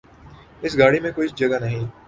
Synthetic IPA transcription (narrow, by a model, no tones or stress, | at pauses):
ɪsɡaːɽimẽkoːid͡ʒɐɡanɐɦĩː